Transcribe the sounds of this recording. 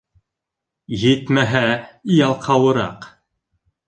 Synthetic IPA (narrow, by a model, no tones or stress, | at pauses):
jɘt̪mæɦæijɑlˠqʰɑwɤ̆ɾɑ̰q